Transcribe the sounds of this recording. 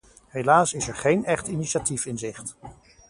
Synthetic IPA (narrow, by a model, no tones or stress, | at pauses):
ɦejlaːsɪsɛɹχejnɛχtiniʃatifɪnzɪχt